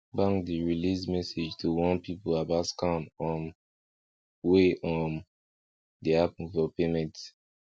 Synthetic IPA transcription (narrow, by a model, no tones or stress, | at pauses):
bãŋdiɹilismɛsed͡ʒtʰuwɔ̃npipoabaskãnɔ̃n | weʔɔ̃n | deapnfɔpemɛ̃nt